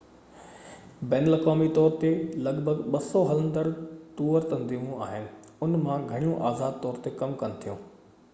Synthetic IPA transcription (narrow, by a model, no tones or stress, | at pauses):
bɛːnəlɐkaːmit̪ɔːɾt̪elɐɡbʱəɡɓɐsɔɦɐlə̃nd̪əɽt̪uːəɾt̪ɐ̃nziːmũaːɦɪnɪ̆ | ʊnmãɡʱɐɽ̃ijũʔaːzaːd̪̚t̪ɔːɾt̪ekɐmkɐnɪ̆t̪ʰijũː